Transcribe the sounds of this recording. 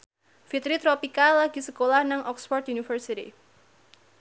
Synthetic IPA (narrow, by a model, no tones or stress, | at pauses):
fit̪ɾit̪ɾopikalaɡ̥i̤səkolahnaŋɔksfɔrt̪junifərsit̪ḭ